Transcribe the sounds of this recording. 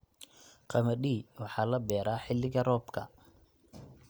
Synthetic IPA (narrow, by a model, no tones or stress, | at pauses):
qɑmɐɗiːwɑħɑːlɐbɛːɾaːħɪlːɪɣɐrɔːbkʰɐ̰